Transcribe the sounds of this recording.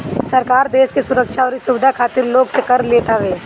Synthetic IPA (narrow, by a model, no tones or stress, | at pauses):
sɐɾkaːɾd̪eːʃkesʊɾəkʃaɔːɾisʊʋɪd̪ʱakʰaːt̪ɪɾloːɡsekɐɾleːt̪aʋeː